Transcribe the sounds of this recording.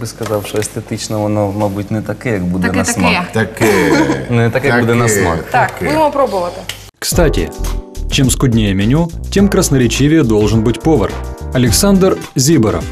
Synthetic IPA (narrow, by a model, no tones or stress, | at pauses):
bɨskɐzafʂɔɛsʲt̪ɛt̪ɨt͡ɕnəɐnomobɨtʲnɛt̪ɐkɪjɐɡbud̪ɛnɐsmat̪ɐk | nt̪akbud̪ɛnɐsma̰kt̪akud̪ɪmɐpɾobʊvət̪ɨ | kst̪atʲɪ̰t͡ɕemskʊdʲnʲejəmʲɪnʲutʲe̞mkɾɐsnəɾʲɪt͡ɕivʲɪjəd̪olˠʐɨnbɨtʲpovərɐlʲɪksand̪rzʲibəɾə̰f